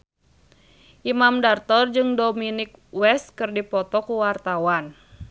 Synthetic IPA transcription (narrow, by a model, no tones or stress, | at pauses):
ʔimamdart̪ɔrd͡ʒɨŋdominɪk̚wɛst̪̚kɨrdipɔt̪ɔkuwart̪awan